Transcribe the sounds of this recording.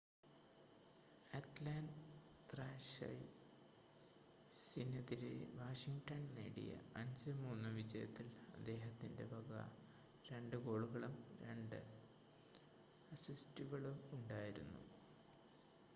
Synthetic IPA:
ɐt̪laːnd | t̪raːʂɐ̰j | sinɐðiɾḛʋaːʂiŋʈɐnnḛːɽḭjɐ̰ɐɲd͡ʑɨmuːnːuʋid͡ʑɐjɐ̰t̪ːilɐd̪ːe̞ːɦɐt̪ːinde̞̰bʱɐɡɐ̰ | ɾe̞ɳɖɨɡo̞ːɭuɣɐɭumɾe̞̰ɳɖɨ | ɐsistuɣɐɭumuɳɖaːjiɾunːṵ

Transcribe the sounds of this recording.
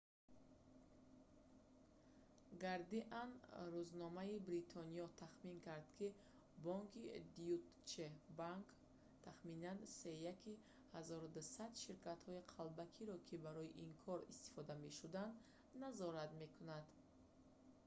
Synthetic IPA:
ɡaɾd̪iʔanruznɔmaibɾit̪ʰɔnijɔt̪ʰaχmiŋkaɾd̪kʰi | bɔŋkʰid̪iut̪ | t͡ʃebaŋk | t̪ʰaχminanse̞jaki | hazɔɾd̪usad̪ʃiɾkat̪hɔiqʰalbakʰiɾɔkʰibaɾɔiʔiŋkʰɔɾist̪i̥fɔd̪ame̞ʃud̪and̪ | nazɔɾat̪me̞kʰunad̪

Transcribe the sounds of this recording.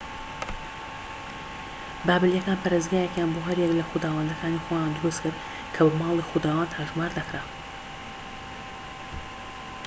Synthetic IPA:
baːbɪljɛkaːnpʰɐɾezɡaːjɛkjaːnboːɦɐɾjɛklɐxʊd̪aːwɐnd̪ɐkʰaːnixojaːnd̪ʊɾust̪kʰɨɾd̪ | kʰɐbɐmaːlˠixud̪aːwaːnt̪ʰaːʒmaːɾd̪ɐkɾa

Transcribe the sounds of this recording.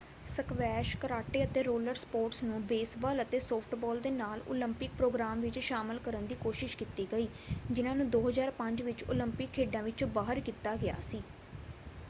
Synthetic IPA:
səkʋɛːʃkəɾaːʈeːət̪eːɾoːləɾspoːɾʈsnũːbeːsbaːlət̪eːsoːpʰʈbɔːld̪eːnaːlo̰ːlɪmpɪk̚pɾoːɡɾaːmʋɪt͡ʃʃaːməlkəɾənd̪iːkoːʃɪʃkit̪iːɡəiː | d͡ʒɪnãːnũːd̪oːɦəzaːɾpəɲd͡ʒʋɪt͡ʃo̰ːlɪmpɪkʰːeːɖãːʋɪt͡ʃbaːɦəɾkiːt̪aːɡɪa̰ːsiː

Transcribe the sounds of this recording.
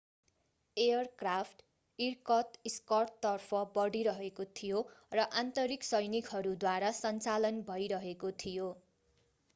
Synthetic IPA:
ejʌrkrapʰʈ | irkʌt̪iskʌrtt̪ːʌrpʰʌbʌɽiɾʌɦekot̪ʰijorʌʔant̪ʌɾiksʌjnikɦʌɾud̪waɾasʌnt͡salʌnbʱʌjɾʌɦekot̪ʰijo

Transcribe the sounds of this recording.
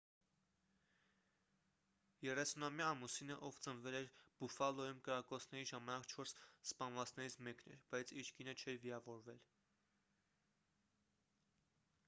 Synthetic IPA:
jɛrɛsunɑmjɑːmusinəʔɔvt͡sənvɛlɛɾb̥ufɑlɔjumkəɾɑkɔt͡sʰnɛɾiʒɑmɑnɑkt͡ʃʰɔɾsspɑnvɑt͡sʰnɛɾit͡sʰmɛknɛ̰b̥ɑjt͡sʰiɾʰɡinət͡ʃʰɛɾviɑvɔɾvɛl

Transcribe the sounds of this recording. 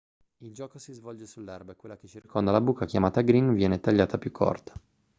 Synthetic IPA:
ild͡ʒɔːkosizvɔld͡ʒesulːɛrbakwelːaket͡ʃːirkʰond̪alabukːakjamaːt̪aɡɾinvjɛːnet̪aʎːaːt̪apjukʰːɔ̰rt̪ḁ

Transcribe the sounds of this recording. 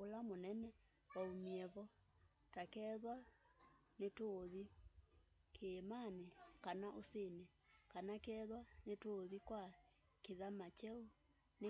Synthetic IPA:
olamonɛnɛ | waumiɛβɔ | takɛðwa | netoːði | kʰemanekanaʔosene | kanakɛðwanetoðikwa | keðamat͡ʃɛo | ne

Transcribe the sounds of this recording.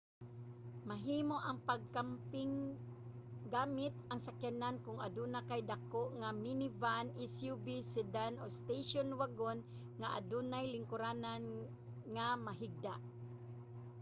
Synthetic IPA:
maɦiːmoʔaŋpaɡ̚kampɪŋ | ɡaːmɪt̪aŋsakanankʊŋa̰d̪unakajd̪akoʔŋaminɪvanɪsjubisɛd̪anost̪ejʃonwaɡon | ŋaʔa̰d̪unajlɪŋkʊɾaːnan | ŋamaɦɪɡ̚d̪aʔ

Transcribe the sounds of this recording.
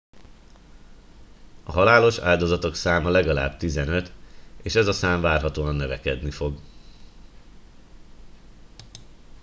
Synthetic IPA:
ɒɦɒlaːlo̞ʃa̰ːld̪o̞zɒt̪o̞ksaːmɒlɛɡɒla̰ːbt̪izɛnø̞t̪eːʃɛzɒsaːɱvaːrɦɒt̪oːɒnːøvɛkɛd̪nifo̞ɡ

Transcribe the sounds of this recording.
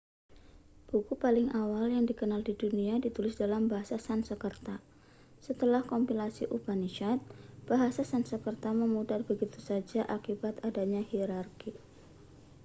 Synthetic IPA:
b̥ukupalɪŋʔawaljaŋdikənaldiduniadit̪ulɪsdalambaɦasasansəkərt̪a | sət̪əlahkɔmpilasḭʔubaniʃat̪̚b̥aɦasasansəkərt̪aməmudarbəɡit̪usad͡ʒaʔakibat̪adaɲahiɾarki

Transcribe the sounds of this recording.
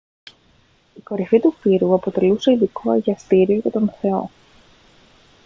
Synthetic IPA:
iko̞ɾifit̪ufiɾuɐpo̞t̪e̞luse̞iðiko̞eʝɐst̪iɾioʝɐt̪o̞nθe̞o̞̰

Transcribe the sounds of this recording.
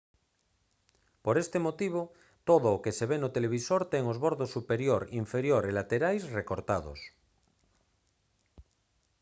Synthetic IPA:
poɾest̪emot̪iβ̞o | t̪oðoːkeseβenot̪eleβ̞isoɾt̪eŋozβoɾðosːupeɾjoɾiɱfeɾjoɾelat̪eɾajsrekoɾt̪aðo̰s

